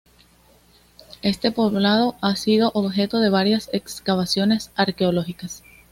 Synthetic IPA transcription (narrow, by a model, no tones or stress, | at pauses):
e̞st̪e̞po̞βlað̞o̞ʔasið̞o̞ʔoβxe̞t̪o̞ðe̞βaɾjase̞kskaβ̞asjo̞ne̞saɾke̞olo̞xikas